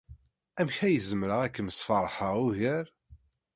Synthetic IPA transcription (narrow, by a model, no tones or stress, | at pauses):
æmçæjəzəmɾəʁækːəməsfərˤħəʁuʝəɾ